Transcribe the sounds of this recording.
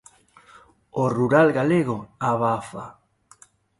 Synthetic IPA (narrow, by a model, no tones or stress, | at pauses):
oruɾalɣaleɣoaβafa